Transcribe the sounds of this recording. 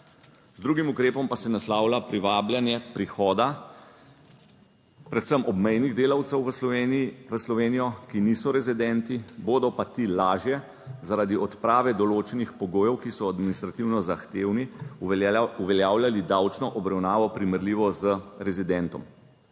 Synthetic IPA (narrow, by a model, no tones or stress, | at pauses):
zd̪ɾuːɡimukɾeːpɔmpasɛnaslaːwlapɾiʋaːbljanjɛpɾixɔːd̪a | pɾɛt̪səmʔɔbmɛjniɣd̪eːlawt̪sɛwʋə | ʋəslɔʋeːnijɔkiniːsɔɾɛzid̪ɛnt̪iboːd̪ɔpat̪iːlaːʒjɛ | zaɾad̪iɔt̪pɾaːʋɛd̪ɔloːt͡ʃɛnixpɔɡoːjɛwkisɔad̪minist̪ɾat̪iwnɔzaxt̪eːwni | uʋɛljaːwljalid̪aːwt͡ʃnɔʔɔbɾawnaːʋɔpɾiməɾliːʋɔzəɾɛzid̪ɛnt̪ɔ̰m